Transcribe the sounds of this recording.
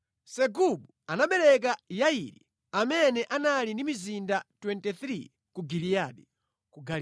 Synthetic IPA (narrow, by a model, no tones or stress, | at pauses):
sɛɡuɓu | anaɓɛɾɛk̬ajaiɾḭ | amɛnɛʔanalindimizindatwɛntɛθɾi | kuɡilijaɗi | kuɡal